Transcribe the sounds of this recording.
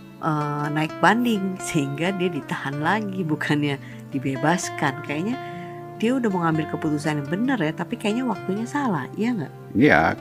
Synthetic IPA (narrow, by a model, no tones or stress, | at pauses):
ʔənaɪk̚bandɪŋsəɦiŋɡadiadit̪ahanlaɡibukʰanɲa | d̥ibebaskankajaʔɲa | diaudahməŋambɪlkəput̪us̬anjabənərjat̪apikajaʔɲawak̚t̪uɲasala̰hijaŋaʔ | a̰